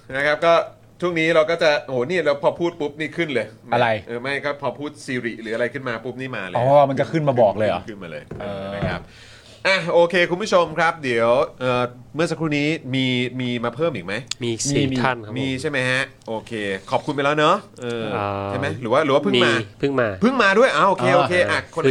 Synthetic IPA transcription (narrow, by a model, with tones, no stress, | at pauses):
na˦˥kʰa˦˥p̚kɔː˥˩ | t̪ʰu˥˩əŋniː˦˥ɾa˧wkɔː˥˩t͡ɕa˨˩ʔoː˨˦niː˥˩ɾa˧wpʰɔː˧pʰuː˥˩t̪̚pu˦˥p̚niː˥˩kʰɯ˥˩nlɤː˧jma˧˥˩ɾa˧jʔɤː˨˩ma˥˩jkɔː˥˩pʰɔː˧pʰuː˥˩t̪̚siː˧ɾi˨˩ɾɯː˩˦a˧ɾa˧jkʰɯ˥˩nmaː˧pu˦˥p̚niː˥˩maː˧lːʰɔ˦˥waː˥˩ma˧nt͡ɕa˨˩kʰɯ˥˩nmaː˧bɔː˨˩k̚lɤː˧jʔa̰˨˩kʰɯ˦˥˩nmaː˧lɤ̰ː˧jʔaː˧˩a˥˩kʰa˦˥p̚ | ʔa˧˩ʔoː˧kʰeː˧kʰu˧nbʰu˦˥˩t͡ɕʰo˧mkʰɾa˦˥p̚di˩˦əwʔɤː˨˩ | mɯ˥˩ɐsa˧kɾuː˧˩niː˦˥miː˧miː˧maː˧pʰɤː˥˩mʔiː˨˩k̚ma˦˥ji˧˨˧a˥˩nmiː˧t͡ɕʰa˥˩jma˦˥jha˦˥ʔʔoː˧kʰeː˧kʰɔː˨˩p̚kʰu˧npa˧jlɛː˦˥wnɔ˦˥ʔɤː˧a˥˩jma˦˥jɾɯː˩˦waː˥˩ɾɯː˨˦waː˥˩pʰɯ˥˨ŋmaː˧pʰɯ˥˩ŋmaː˧pʰɯ˥˩ŋmaː˧du˥˩əjʔaː˧˩ʔoː˧kʰeː˧ʔo˧kʰeː˧ʔa˧˩kʰo˧n